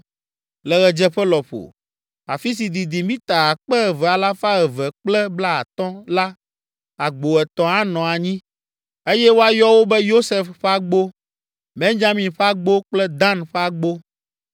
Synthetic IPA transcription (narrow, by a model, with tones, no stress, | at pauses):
lɛ˨ɣɛ˨d͡ʒɛ˦ɸɛ˦lɔ˨ɸo̰˨ | a̰˨fi˦s̬i˨d̪i˨d̪i˨mĩ˦t̪a˨a˨k͡pɛ˦ɛ˨vɛ˨a˨la˦fa˦ɣɛ˨vɛ˨k͡plɛ˦bla˦a˨t̪ɔ̃˦la˦ | a˨ɡ͡bo˨ɛ˨t̪ɔ̃˨a˦nɔ̃˨a˨ɲĩ˦ | e˦jɛ˦wo˦a˨jɔ˦wo˦bɛ˦jo˦sɛ˨fɸa˦ɡ͡bo˦ | bẽ˦ɲd͡ʒa˦mĩ˨ɸa˦ɡ͡bo˦k͡plɛ˦d̪ã˦nɸɛ˦a˦ɡ͡bo˦